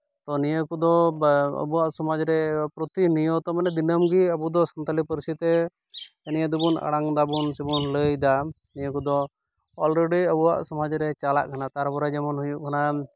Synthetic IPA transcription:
t̪ɔnijəkud̪ɔə̰buwaʔsɔmad͡ʒɾɛpɾɔt̪inijɔt̪ɔmanɛd̪inəmɡiəbud̪ɔsɔnt̪alipəɾsit̪ɛ | ɛnijad̪ubuna̰ɽaŋd̪abunsibunləjd̪a | nijəkud̪ɔ | ɔlɾeɖiəbuwa̰ʔsɔmad͡ʒɾɛt͡ʃala̰ʔkʰanat̪aɾbɔɾad͡ʒɛmɔnɦujuʔkʰana

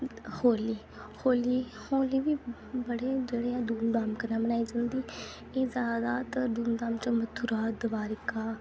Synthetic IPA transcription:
hoːliː | hoːliː | hoːliːʋiː | bəɽeːd͡ʒeːɽeːãːd̪uːnd̪aːmkəɾnãːbənaːiːd͡ʒãːnd̪iː | eːzjaːd̪aːt̪əd̪uːnd̪aːmt͡ʃəmət̪ʰːuɾaːd̪əbaːɾɪkaː

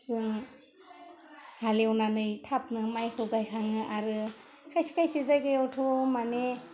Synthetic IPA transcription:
sɯŋ | halewnanɯjtʰap̚nɯmajhɯwɡajkʰaŋɯʔaɾɯ | kʰajsi̥kʰajsizajɡajɔwtʰomane

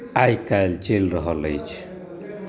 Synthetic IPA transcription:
ajkalt͡ʃelɾɔɦɔləjt͡ʃʰ

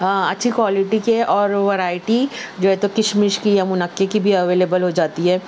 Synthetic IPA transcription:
aɐtːʃʰikwaːlɪʈikeʔɔːɾʋɐɾaːɪʈid͡ʒoːɦɛt̪okɪʃmɪʃkijamʊnəkːekibʱiɐʋeːleːbəlɦod͡ʒaːt̪iɦɛː

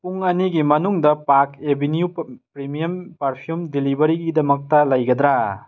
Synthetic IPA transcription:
puŋɐniɡimɐnuŋdɐpakebʱinijupɾimijɐmpɐɾpʰijumdilibɐɾiɡidɐmɐk̚tɐlɐjɡɐd̪ɾa

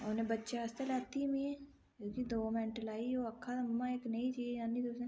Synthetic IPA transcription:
onebətːʃaɐst̪elaːt̪imĩɛ̃ | koːkid̪oːmɛ̃ːɳʈəlaːioɐkʰːamːãeːknɐit͡ʃiãnit̪ose

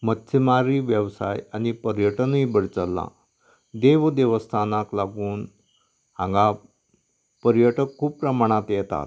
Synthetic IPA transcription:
mət̪ːsʰimaɾiːʋjəʋsa̰jañipəɾjəʈənibəɽt͡səlːa̰ | d̪eʋd̪eʋəst̪ʰanaklaɡuːn | hãŋɡa | pəɾjəʈəkʰːuːppɾəmaɽ̃at̪jɛt̪a̰t̪̚

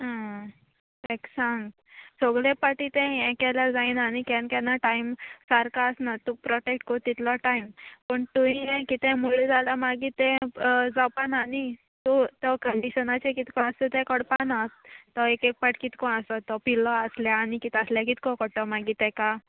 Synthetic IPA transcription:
ɦã | t̪ɛksãŋɡ | sɔɡɭepaʈit̪ɛ̃ɛ̃kɛlad͡zaiːnanikɛnkanaʈaimsaɾkaəsnat̪upɾɔʈekʈkɔt̪it̪lɔʈaimpəɳt̪uɦĩɦɛ̃kit̪ɛ̃muled͡zalamaɡit̪ɛ̃d͡zɔpanani | t̪ot̪ɔkəɳɖiɕənat͡ɕekit̪kɔ̃əst̪et̪ɛ̃kɔɽpanat̪ːɔekek̚paʈkit̪kɔ̃əsɔt̪ɔpilɔəsljaːnikit̪əsljakit̪kɔkɔɽt̪ɔmaɡit̪ɛka

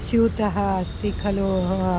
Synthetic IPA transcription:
sjut̪ɐɦɐːst̪ikʰɐlu

